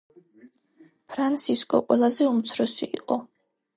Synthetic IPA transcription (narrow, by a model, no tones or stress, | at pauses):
pʰɾant̪sʰiskʼɔ̰qʼwɛlˠazɛumt̪sʰɾɔsiːqʼɔ